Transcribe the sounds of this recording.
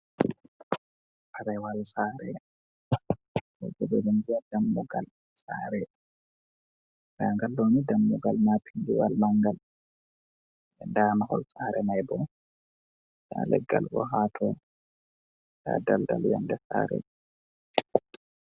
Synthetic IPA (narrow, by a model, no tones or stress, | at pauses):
ʔaɾɐjwalsaːɾɛ | jɛ̰d͡ʒɛdɛdɛnɡiadamːuɡal | saːɾɛ | daŋɡalːoːnidɐmːuɡalmapʰindiwa̰lmaŋɡal | ɛndaːnahɔlsaːɾʔɛmajbɔ | da̰ːlɛ̰ɡːa̰lwɔ̰ɦaːt̪ʰɔ | d̥a̰dald̪a̰lja̰ndɛsa̰ːɾɛ̰ɗ